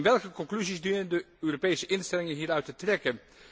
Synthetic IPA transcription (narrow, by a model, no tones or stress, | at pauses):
nʋɛlˠkəkɔŋklyzisdynəndəøːropejsəʔɪnstɛlɪŋənɦiːɾœɥtətrɛkən